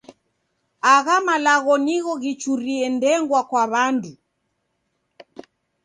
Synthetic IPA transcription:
aɣamalaɣɔniɣɔɣit͡ʃuɾiɛndɛŋɡwakwaβandu

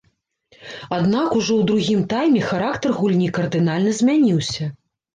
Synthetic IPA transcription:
ad̪nakuʐɔwd̪ɾuɣʲimt̪ajmʲɛxaɾakt̪ɐrɣulʲnʲikɐrd̪ɨn̪alʲnɐzʲmʲanʲiwsʲɐ

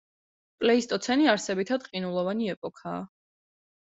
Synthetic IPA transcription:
pʼlɛist̪ʼɔt̪sʰɛniaɾsɛbit̪ʰad̪qʼinulˠɔvaniɛpʼɔkʰaː

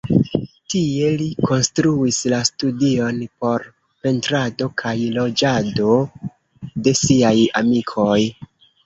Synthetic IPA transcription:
tie̞likʰo̞nstɾuislastudio̞npo̞ɾ | pe̞ntɾado̞kʰajlo̞d͡ʒado̞ | de̞siaja̰mikʰo̞j

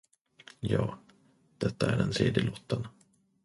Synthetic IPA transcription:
jɑː | d̪̥ɛt̪ːaæɖɛnsḛːd̪ɪlɔt̪ːən

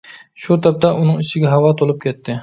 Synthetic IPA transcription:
ʃut̪ʰɑp̚t̪ʰaʔunɨŋɪt͡ʃʰɪɡʲɛɦɑwɑt̪ʰolˠɨp̚kʲɛt̪ːɪ

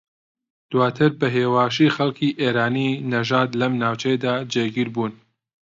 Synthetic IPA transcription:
d̪̥waːt̪ʰɨɾbɐɦeːwaːʃiːxɐlˠkʰiːʔeːɾaːninɐʒaːd̪lɐmnaːwt͡ʃʰɛjd̪aːd͡ʒeːɡiɾbuːn

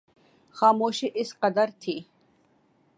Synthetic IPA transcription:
xaːmoʃiʔisqɐd̪aɾt̪ʰi

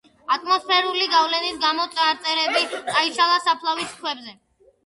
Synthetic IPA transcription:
at̪ʼmɔspʰɛɾuliɡavlɛnisɡamɔt̪sʼaɾt̪sʼɛɾɛbit̪sʼaiʃalˠasapʰlˠaviskʰwɛbzɛ

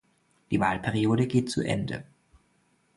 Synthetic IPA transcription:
d̥iːvaːlpʰɛʁioːdəɡeːt̚t͡sṵʔɛ̰ndə̰

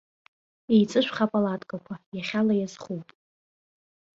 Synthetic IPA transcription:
ejt͡sʼɨʃᶣʷχapʼalatʼkʼakʷʰajaχʲalajazχupʼ

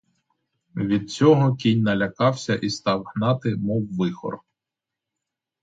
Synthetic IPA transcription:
ʋʲid̪̚t͡sʲɔɦɔkʲinʲnɐlʲɐkɑwsʲɐʔist̪ɑwhnɑt̪ɪmɔwːɪxɔ̰r

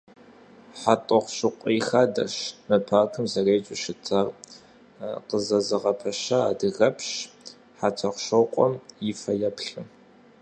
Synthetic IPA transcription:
ħatʼɔχʷɕɨqʷʼijxaːdɐ̰ʃmɐpʰaːkʰɨmzɐreːt͡ʃʼɪʃɪtʰar | qəzɐzɨʁɐpʰɐʃɐaːdɨɣɐpʰɕ | ħatʰɐχʷʃɐwqʷʼɔmjɪfɐjɐpɬɨ

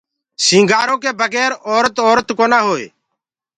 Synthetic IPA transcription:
sĩːŋɡaːɾõːkeːbəɡɛːɾoːɾət̪oːɾət̪koːnaːɦoːḛː

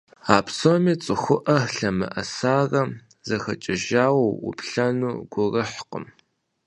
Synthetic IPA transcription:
aːpsomiːt͡sʼɨxʷʊʔɐɬɐmɨ̰ʔɐsaːrɐ | zɐxɐt͡ʃʼɪʒaːwɐwʊ̰pʰɬɐnuːɡʷʊrɐħqʊ̰m

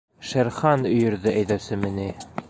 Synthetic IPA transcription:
ʃæɾχɑnɵ̆jɤ̆ɾðɘʔæjðæwsɘmɘ̆ni

